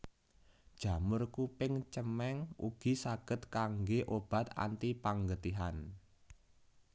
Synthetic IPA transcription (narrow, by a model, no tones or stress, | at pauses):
d̥ʒ̥ä̤mʊrkupɪŋt͡ʃəmɛŋṵɡ̥i̤saɡ̥ə̤t̪kaŋɡeʔob̥a̤t̪a̰nt̪ipaŋɡət̪iɦan